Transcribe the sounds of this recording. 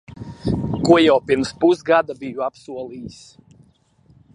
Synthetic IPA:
kuɔjawpiɾmspuzɡad̪abijuapsuɔlˠiːs

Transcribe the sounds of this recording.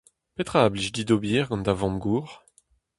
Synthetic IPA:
pet̪χaːbliʃd̪id̪objiːʁɡɑ̃nd̪avɑ̃mɡuːʁ

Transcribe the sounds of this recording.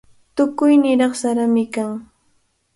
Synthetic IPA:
t̪ʊkʊjnɪɾɑχsaɾamɪkaŋ

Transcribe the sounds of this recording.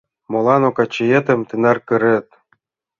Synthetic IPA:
molˠɑnokɑt͡ɕːejĕt̪ə̆mt̪ɯnɑrkɤ̆ɾɘ̆t̪̚

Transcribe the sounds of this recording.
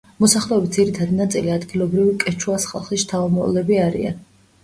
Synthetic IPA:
mɔsaχlˠɛɛbit̪d̪ziɾit̪ʰad̪inat̪sʼiliad̪ɡilˠɔbɾivikʼɛt͡ʃʰuasχa̰lˠχist̪ʰavɔmɔ̰lɛbiaɾḭa̰n

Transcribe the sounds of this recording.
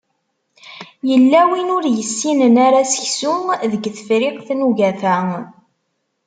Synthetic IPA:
jəlːæwinʊɾjəsːinənaɾasə̥çsuðəɡθfɾɪqθnuʝæθæ

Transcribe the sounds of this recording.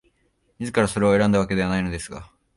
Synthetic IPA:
ɲʲizɨkaɾaso̞ɾe̞oe̞ɾãnd̪aβake̞d̪e̞anaino̞d̪e̞sɨɡa̰

